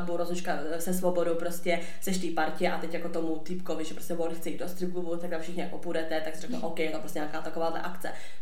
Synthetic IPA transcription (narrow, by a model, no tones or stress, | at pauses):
buɾozut͡ʃka | sɛsvobo̞dopɾoscɛ | sɛʃt̪iːpaɾcɛʔat̪ɛcjakot̪omut̪ɪpkovɪʒɛpɾoscʲɛvonxt͡sɛjiːd̪dost̪ɾɪɡluvut̪aɡ̚d̪amfʃɪxɲɪa̰kʔopudɛt̪ɛt̪aksɪrɛknoʔowkɛjɛt̪opɾostcʲɛɲakaːt̪akovaːdlɛ̰ʔak̪t͡sɛ